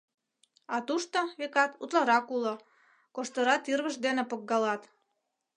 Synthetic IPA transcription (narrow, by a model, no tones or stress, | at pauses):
ɑt̪uʃt̪oβekɑt̪ut̪lɑɾɑkulŏ | koʃt̪əɾɑt̪irβəʃd̪enepə̆kɡɑlɑt̪